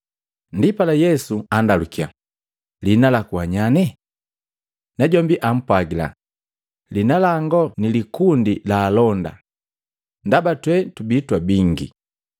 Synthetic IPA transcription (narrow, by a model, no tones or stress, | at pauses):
ndipalajɛsuandalukia̰ | linalakuaɲanɛ | naɟɔmbiʔam̩pwaɡila̰ | linalaŋɡɔnilikundilaːlɔnda̰ | ndabatwɛtubitwabiŋɡḭ